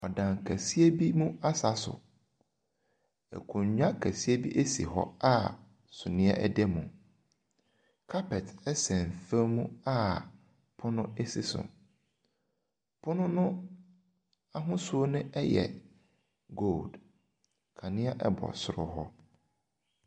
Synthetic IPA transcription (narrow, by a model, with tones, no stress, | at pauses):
ɔ˨dã˨nkʰæ˨si˦e˦bi˦mũ˦a˦sa˨sʊ̰˨ | ɛ̰˨kʰʊ̃˨ɲɲᶣã˦kʰæ˨si˦e˦bi˦ʔe˦sḭ˨ɦɔ̰˦a˦ | sʊ˨nɪ̃˦ɛ̰˦ʔɛ˦dɛ˦mũ˨ | kʰa˦pʰɛ˨tɛ˦sɛ̃˨n˨fẽ˦mũ˦a˦ | pʰʊ˦nʊ̃˦e˦sɪ˦sʊ̰˨m | pʰʊ˦nʊ̃˦nʊ̃˦ | a˦ɦʊ̃˦su˦o˦nʊ̃˦ɛ˦jɛ̰˨ | ɡo˦˨ld | kʰa˨nɪ̃˦a˦ʔɛ̰˦bɔ̰˨sʊ˨ɾʊ˨ɦɔ˦